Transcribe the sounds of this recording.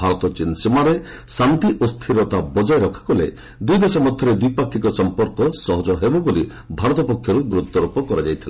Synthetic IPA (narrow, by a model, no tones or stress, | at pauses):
bʱaɾɔt̪ɔt͡ʃinsimaɾe | sant̪iʔost̪ʰiɾɔt̪abɔd͡ʒajɾɔkʰḁkɔlḛ | d̪ujd̪esɔmɔd̪ʱjɔɾed̪ujpakʰːikɔsɔmpɔɾkɔsɔɦɔd͡ʒɔɦebɔboli | bʱaɾɔt̪ɔpɔkʰjɔɾuɡɾut̪ːɔɾupɔkɔɾad͡ʒajt̪ʰile